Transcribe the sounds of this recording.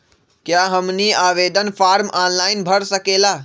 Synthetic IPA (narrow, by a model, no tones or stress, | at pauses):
kjaɦəmniaʋed̪ʱənpʰaɾmanlaɪnbʱəɾsəkela